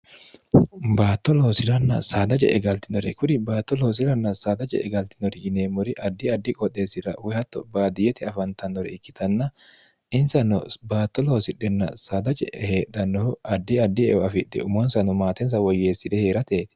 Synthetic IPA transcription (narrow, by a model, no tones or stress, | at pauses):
baːt̪ːɔloːsɪɾɐnːɐ̰saːd̪ɐt͡ʃʼɛ̰ʔɛɡɐlt̪ɪnɔɾɛkʊɾɪbaːt̪ːɔloːs̬ɪɾɐnːɐsaːd̪ɐt͡ʃʼɛ̰ʔɛɡɐlt̪ɪnɔɾɪd͡ʒɪneːmʊɾɪʔɐd̪ːɪɐd̪ːɪkʼɔᶑ̪eːsɪɾɐ̰wɛhɐt̪ːɔbaːd̪ɪjɛt̪ɪɐfɐnt̪ɐnːɔɾɛ̰ɪkːɪ̥t̪ʰɐnːɐ | ɪnsɐnɔ̰baːt̪ːɔlosɪᶑːɛnːɐ̰saːd̪ɐt͡ʃʼɛ̰heːᶑɐnːɔɐd̪ːɪɐd̪ːɪɛɐfɪᶑɛ̰ʊmɔnsɐnɔmaːt̪ɛns̬ɐwɔjːeːsːɪd̪ɛheːɾɐt̪eːt̪ɪ̥